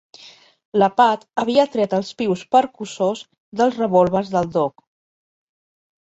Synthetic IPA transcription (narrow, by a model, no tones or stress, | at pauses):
ləpat̪əβiət̪ɾɛt̪əlˠspiwspəɾkusoz | ðəlˠzrəβolˠβəzðəlˠd̪ok